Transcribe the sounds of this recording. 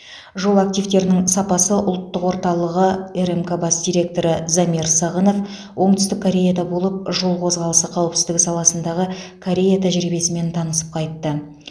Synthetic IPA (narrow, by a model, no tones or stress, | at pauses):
ʒo̞lˠak̚t̪ijvt̪e̞ɾɪnɪŋsɑpɑsəʔʊlˠt̪ːəqwo̞ɾt̪ɑlˠəʁəeɾemkabɑsd̪ʲijɾʲe̞k̚t̪o̞ɾəzamiɾsɑʁəno̞f | wʔo̞ɴt̪ʏst̪ɪkʰːoɾʲe̞jad̪ɑbo̞lˠəp̚ʒo̞lˠqʰo̞zʁɑlˠəsəqʰɑwəpsɪ̥zd̪ɪksɑlˠɑsənd̪ɑʁəkʰoɾʲe̞jat̪ʰæʒɾibe̞sɪme̞nt̪ʰɑnəsə̥p̚qʰɑjt̪ːə